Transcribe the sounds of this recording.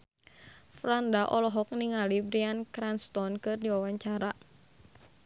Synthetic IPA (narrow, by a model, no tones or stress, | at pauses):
fɾandaʔɔlɔɦɔk̚niŋalibɾiankɾanst̪ɔnkɨrdiwawaɲt͡ʃaɾa